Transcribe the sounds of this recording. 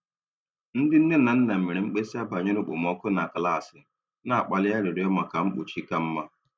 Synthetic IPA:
n̩˦dɪ˦n̩˦ne˦na˨n̩˦na˨m̩˨me˨ɾe˨ŋ͡m̩˦k͡pe˦si˦a˦ba˨ɲɪ˦ɾʊ˦k͡pʊ̰˨m˦ɔ˦kʊ˦na˨kla˦˨sɪ˨˦ | na˨a˨k͡pa˨lɪ˦ja˦ɾɪ˨ɾɪ˨˦ɔ˦ma˨ka˨m̩˦k͡pʊ̰˨t͡ʃi˦ka˦m̩˦ma˦

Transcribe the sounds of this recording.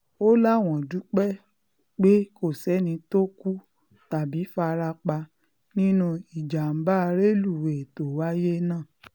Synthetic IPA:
o˦la˦˨w̃ɔ̃˨du˨˦k͡pɛ˦ | k͡pe˦ko˦˨sɛ˨˦nĩ˧to˦ku˦ | ta˨bi˨˦fa˧ɾa˧k͡pa˧ | nĩ˦nũ˧i˨d͡ʒa˨m̩˨ba˦˧ɾe˦lu˦˨we˨to˨wa˦je˦nãː˦˨

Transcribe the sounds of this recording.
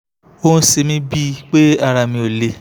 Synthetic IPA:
o˦n̩˦se˧mĩ˦bi˦˧k͡pe˦a˦˧ɾa˨mĩ˧o˨le˨

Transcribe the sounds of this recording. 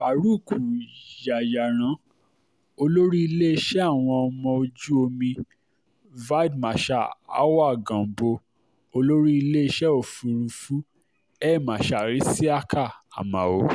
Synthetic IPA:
fa˨ɾu˦˨kʰu˨ja˨ja˨ɾ̃ã˨˦ | o˧lo˦ɾi˦i˧le˦i˧ʃɛ˦a˦˨w̃ɔ̃˧ɔ˧mɔ̃˧o˧d͡ʒu˦o˧mĩ˧ | va˦˨dmã˨ʃa˦˨a̰˦wa˦˨ɡã˨bo˧ | o˧lo˦ɾi˦i˧le˦i˧ʃɛ˦o˦˨fu˨˧ɾu˧fu˦ | ɛ˦˨mã˨ʃa˨ɾi˨˦si˦a˦kʰa˦˨a̰˨mã̰˨o˨˦

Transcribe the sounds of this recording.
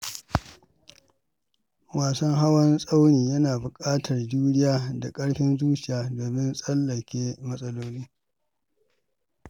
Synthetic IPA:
waː˨sɐ˦ŋɦa˦wɐ˦nsʼa˦wniː˨jɐ˦naː˨bʊ˨kʼaː˦tʰɐ˨rduː˦ɽɪ˦jaː˦da˨kʼɐ˦ɽɸɪ˦nzuː˦t͡ʃɪ˨jaː˦doː˨mɪ˦nsʼɐ˦lːɐ˨kʲeː˦mɐ˦sʼɐ˦loː˦liː˦

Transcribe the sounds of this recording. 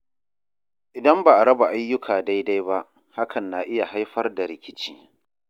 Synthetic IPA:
ʔɪ˨dɐ˦mbaː˨ʔa˨ɾɐ˦ba˨ʔa˦jːʊ˦kʰaː˨da˦jda˦jba˦ʔ | ha˦kʰɐ˨nːa˨ʔɪ˦ja˨ɦa˦jɸɐ˦rda˨ɾɪ˨kʲɪ˦t͡ʃiː˦

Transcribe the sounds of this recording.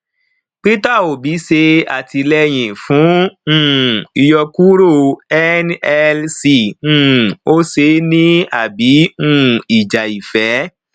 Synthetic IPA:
k͡pi˦ta˦˨o˨bi˨˦se˧a̰˨ti˧lɛ˦j̃ĩ˨fũ˨˦ũ˦˨i˧jɔ˧ku˦ɾo˦˨ɛ˦nɛ˧lsi˧˨ũ˦˨o˦se˧˦nĩ˦a˨bi˨˦ũ˦˧˨i˨d͡ʒa˨i˨fɛ˨˦

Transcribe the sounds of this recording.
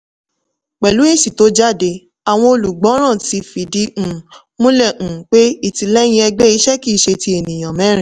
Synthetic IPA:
k͡pɛ˨lu˨˦e˦˨ʃi˨to˨˦d͡ʒa˦˨de˧ | a˨w̃ɔ̃˧o˧lu˨ɡ͡bɔ̃˨˦ɾ̃ã˦˨ti˧fi˨dĩ˧˦˨ | mõ˦lɛ˦˨ʔ̩˨k͡pe˦i˦˨ti˧lɛ˦j̃ĩ˧˦ɛ˧ɡ͡bɛ˦i˧˦ʃɛ˦ki˦˨ʃe˧ti˧˦e˨nĩ˨j̃ã˨mɛ̃˨˦ɾ̃ĩ˨

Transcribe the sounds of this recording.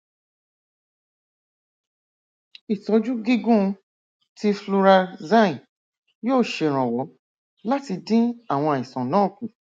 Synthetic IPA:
i˨tɔ˨˧d͡ʒu˦ɡi˦ɡũ˦˧ | ti˦flu˧ɾa˧zã˦˨ĩ˨ | joː˦˨ʃe˧˨ɾ̃ã˨wɔ˨˦ | la˦ti˧dĩ˦a˦˨w̃ɔ̃˧˨ĩ˨sã˨nãː˨˦˨kũ˨

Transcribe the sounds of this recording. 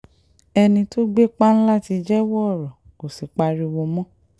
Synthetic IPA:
ɛ˧nĩ˧to˦ɡ͡be˦k͡pa˦ñ̩˦la˦˨ti˧d͡ʒɛ˦wɔ˦˨ɾɔ˨ | ko˨si˨k͡pa˧ɾi˧wo˧mɔ̃˦

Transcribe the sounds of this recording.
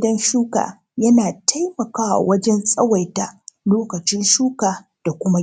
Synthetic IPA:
dɐ˦nʃuː˦ka̰ː˨ | jɐ˦naː˨tʰa˦jmɐ˨kaː˦wa̰˨wɐ˦d͡ʒɛ˦nsʼɐ˦wa˨jta˦loː˦kɐ˨t͡ʃɪ˦nʃuː˦kaː˨d̥a˨kʷʊ˦ma˦

